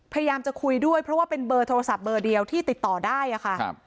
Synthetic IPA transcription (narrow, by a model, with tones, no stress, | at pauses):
pʰa˧ja˧jaː˧mt͡ɕa˨˩kʰu˧jdu˥˩əjpʰɾɔ˦˥waː˥˩pe˧nbɤː˧t̪ʰoː˧ɾa˧sa˨˩p̚bɤː˧di˧əwt̪ʰiː˥˩t̪i˨˩t̪ːɔː˨˩daː˥˩jʔa˨˩kʰa˥˩ʔ